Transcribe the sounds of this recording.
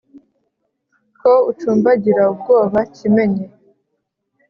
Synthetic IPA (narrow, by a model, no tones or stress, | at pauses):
kʰout͡ʃuːmbaɟiɾaubɡo̞ːβacime̞ɲe